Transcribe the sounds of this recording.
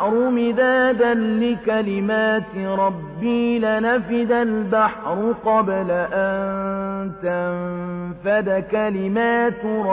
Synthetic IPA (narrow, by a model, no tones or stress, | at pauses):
ɾʊmɪd̪aːd̪anlɪkalɪmaːt̪ɪɾˤɑbːiːlanafɪd̪albaħɾˤʊqɑblaʔannt̪amfad̪akalɪmaːt̪ɾˤ